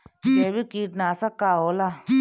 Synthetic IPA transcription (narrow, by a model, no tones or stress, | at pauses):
jeːbʱikiːʈnaːsəkːaːɦoːla